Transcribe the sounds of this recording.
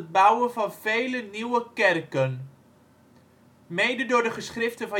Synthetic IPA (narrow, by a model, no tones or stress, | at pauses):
əd̚bʌwənvɑnv̥ejləniwəkɛrkən | mejdədʊːɹdəχəsχrɪftənvɑ